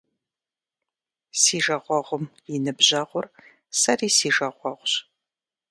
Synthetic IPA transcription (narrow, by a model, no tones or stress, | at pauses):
siːʒɐʁʷɔʁʷʊmjinɨbʑɐʁʷʊr | sɐriːsiːʒɐʁʷɔʁʷɕ